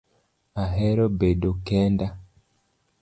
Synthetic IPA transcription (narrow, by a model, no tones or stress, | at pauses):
aɦɛɾɔbeɗokɛnda